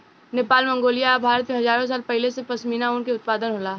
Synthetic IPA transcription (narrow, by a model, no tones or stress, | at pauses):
neːpaːlmɐ̃ŋɡoːlijabʱaːɾət̪mẽɦɐzaːɾõs̬aːlpɛɦɪlesepɐsmiːnaʊnkeʊt̪̚paːd̪ənɦolaː